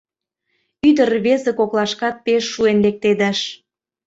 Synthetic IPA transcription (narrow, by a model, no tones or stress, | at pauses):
yd̪ərβezĕkoklˠɑʃkɑt̪̚peʃːuenlek̚t̪ed̪æʃ